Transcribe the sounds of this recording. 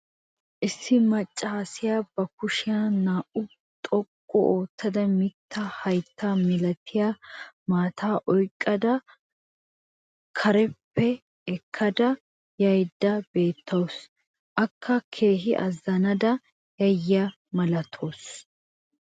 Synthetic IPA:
ʔɪsːɪmɐt͡ʃʼːaːsɪjaːb̥ɐkʊʃɪjanaːʔʊ | t̪ʼɔkʼːɔ̰ʔoːt̪ːɐd̪ɐmɪt̪ːɐhɐjt̪ʰːaːmɪlɐt̪ʰɪjaːmaːt̪ʰaːʔɔjkʼːɐd̪ɐ | kʰɐɾɛpːɛ | ɛkʰːɐd̪ɐ | jɐjd̪ːɐbe̞ːt̪ːɐws | ʔɐkʰːɐkʰe̞ːɦɪʔɐ̰zːɐnɐd̪ɐ | jɐjːa | mɐlɐt̪ʰoːs

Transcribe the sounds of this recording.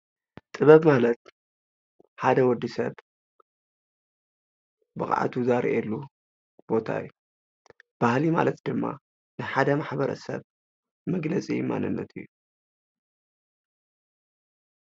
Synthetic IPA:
t̪ʼɨβɐβmalɐt̪̚ | ħad̪ɐwɔd̪ːisɐβ | bɨkʼa̰ʕa̰t̪ʰuzaɾḭʔɛlːu | b̥o̞t̪ʰa̰jːu | b̥ahlima̰lɐt̪d̪ɨmːa̰ | nɨħad̪ɐmaħbɐɾɐ̰sɐ̰β | mɐɡlɐt͡sʼḭma̰nɨnːɐ̰t̪ʰɨ̰jːu

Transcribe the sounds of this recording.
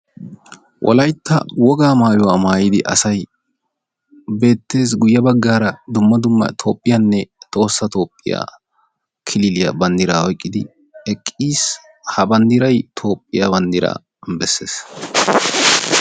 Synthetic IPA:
wʔɔ̰lɐjt̪ːɐ̰wɔɡaːmaːjʊwaːmaːjɪd̪ɪʔɐsɐj | be̞ːt̪ːe̞ːsɡʊjːɐbɐɡːaːɾɐd̪ʊmːɐd̪ʊmːɐ̰t̪ʰo̞ːpʼːɪjanːɛt̪ʼo̞ːsːɐt̪o̞ːpʼːɪ̰ja̰ː | kʰɪlɪlɪjɐbɐnd̪ɪɾaːɔjkʼːɪd̪ɪ | ɛkʼːiːs | hɐbɐnd̪ɪɾɐjt̪ʰo̞ːpʼːɪjabɐnd̪ɪɾa̰ː | bɛsːe̞̰ːs

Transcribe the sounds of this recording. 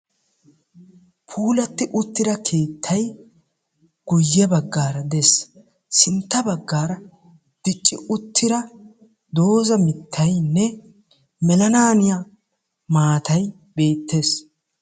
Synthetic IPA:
pʰuːlɐt̪ːɪʔʊt̪ːɪd̪ɐkʰe̞ːt̪ʰːɐj | ɡ̥ʊjːɛbɐɡːaːɾɐd̪ɛs | sɪnt̪ːɐbɐɡːaːɾɐ | d̪̥ɪt͡ʃʼːɪʔʊt̪ʰːɪd̪ɐ | d̪o̞ːzɐmɪt̪ʰːɐjnːɛ | mɛlɐnaːnɪja | maːt̪ɐj | be̞ːt̪ːe̞ːs

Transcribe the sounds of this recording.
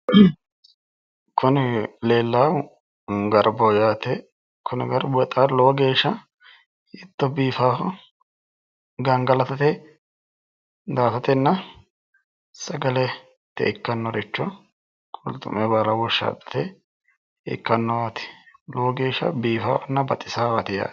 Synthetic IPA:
kʰʊnɪleːlːa | ɡɐɾbɔjaːt̪ɛ | kʰʊnɪɡɐɾbɔɛt̪ʼalɔɡe̞ːʃːɐ | ɪt̪ːɔbiːfaːfɐ | ɡɐŋɡɐlɐt̪ɐt̪ɛ | d̪aːfɐt̪ɛnːɐ | sɐɡɐlɛ | t̪ːɛ̰ʔɪkːɐnːɔɾɪt͡ʃːɔ | kʼʊlt̪ʼʊ̰mɛbaɾɐwɔʃːa̰ːpʼːɐ̥t̪ɛ | ɪ̰kːɐnːɔwat̪ɪ̥loːɡeːʃːɐ̰biːfa̰ːfɐnːɐbɐt̪ʼɪsaːbɐt̪ɪja̰

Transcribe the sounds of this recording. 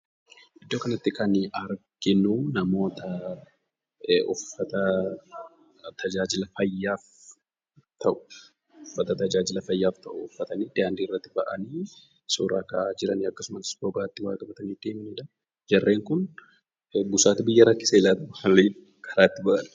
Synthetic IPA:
ʔɪd̪ːo̞ːkɐnɐt̪ːɪkɐnɐɾkɪnuːnɐmo̞ːt̪ɐ | ɔfːɐt̪ɐ | t̪ʰɐd͡ʒaːd͡ʒɪlɐfɐjːaːf | t̪ʰɐʔʊ̥ | ʊfːɐt̪ɐt̪ɐd͡ʒaːd͡ʒɪlɐfɐjːaːft̪ɐʔʊʊfːɐt̪ɐniːd̪ɪaːnd̪iːrːɐt̪ːɪbɐ̰ʔɐniː | suːɾaːkad͡ʒɪɾɐniɐkːɐsʊmɐsbɔɡaːt̪ːɪwaːt̪ɐbɐt̪ɐniːd̪eːmɪniːd̪ɐ | d͡ʒɐrːe̞ːŋkʊn | bʊsaːt̪ɪbɪjːɐɾɐkːɪsɐɪlaːt̪ɐʔʊɐliː | kʰɐɾaːt̪ːɪbɐʔɐn

